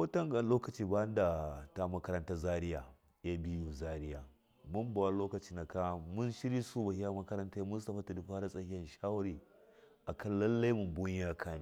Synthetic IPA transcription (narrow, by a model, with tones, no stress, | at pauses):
wo˦ta˦ŋɡa˨nloː˦kɐ˨t͡ʃiː˨ba˦nda˨ta˦mɐ˦kɐ˦ɾɐ˦nta˦za˦ɾi˦ja˨ | ja˦bi˦ju˨za˦ɾi˦ja˨ | mu˦mba˨wa˦loː˦kɐ˨t͡ʃi˦na˨ka˦mu˦nʃi˦ɾi˦su˦ba˨hi˦a˦mɐ˦kɐ˦ɾɐ˦nta˦mu˦nsta˨ɸa˦ta˨di˨ɸa˦ɾa˦sʼa˨hi˦jɐ˨nʃa˦wa˦ɾi˨ʔa˨kʰɐ˦nlɐ˦lːa˦i˦mu˨mbu˦ɲ˦a˦kʰa˦ni˦˨˦